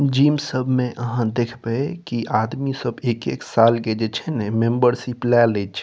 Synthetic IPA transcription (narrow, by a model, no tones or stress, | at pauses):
d͡ʒimsəbʱmẽʔəɦãd̪ekʰbɛkiʔad̪misəbekeksalked͡ʒet͡ʃʰɛnɛmembəɾsiplɛlet͡ʃʰɛ